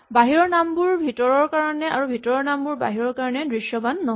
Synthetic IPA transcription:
baɦiɹɔɹnambuɹbʱitɔɹɔɹkaɹɔnɛaɹubʱitɔɹɔɹnambʊɹba̰ɦiɹɔɹkaɹɔnɛdɹiʃjɔbanːɔɦ

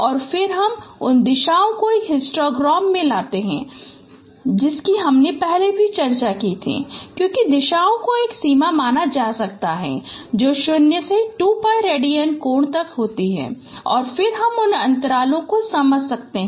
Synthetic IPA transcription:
ɔːɾfɪɾɦɐmʊnd̪ɪʃaːõkoeːkɦɪsʈɾoːɡɾɔːmːẽlaːt̪eɦɛ̰̃ː | d͡ʒɪskiɦɐmnepɛɦlebʱit͡ʃɐɾt͡ʃakit̪ʰḭːkjõːkid̪ɪʃaːõkoeːksiːmamaːnad͡ʒaːsɐk̚t̪aɦɛ̰d͡ʒoːʃʊnjəseʈuːpaːjɾeːɖijənkoːɳt̪ɐkɦoːt̪iɦɛ̰ː | ɔːɾfɪɾɦɐmʊnɐ̃nt̪əɾaːlõkosɐməd͡ʒʱsɐk̚t̪eɦɛ̃

